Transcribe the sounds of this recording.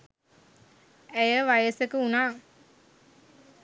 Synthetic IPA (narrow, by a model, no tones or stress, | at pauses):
æjəʋajəsəkəunaː